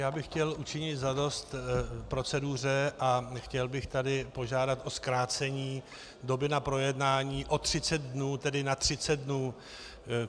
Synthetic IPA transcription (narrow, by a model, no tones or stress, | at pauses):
jaːbɪxcɛlʔut͡ʃɪɲɪt̪zado̞st̪pɾo̞t͡sɛduːr̝ɛʔaxcɛlbɪxt̪adɪpo̞ʒaːdat̪ʔo̞skɾaːt͡sɛɲiː | do̞bɪnapɾo̞jɛdnaːɲiːʔo̞t̪r̝̥ɪt͡sɛtd̪̚dnuːt̪ɛdɪnat̪r̝̥ɪt͡sɛd̪̚dnuː